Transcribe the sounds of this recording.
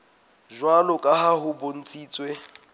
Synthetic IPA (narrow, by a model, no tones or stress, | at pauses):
ʒwalʊkʼaɦaɦʊbon̩t͡sʼiːt͡sʼwe